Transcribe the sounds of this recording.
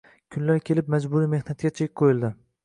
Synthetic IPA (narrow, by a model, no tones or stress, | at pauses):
kʲʰʊnlaɾkʲʰe̞lɪpmad͡ʒbʊɾime̞hnat̪ɡʲat͡ʃʰejɪqʰojɪlˠd̪ɪ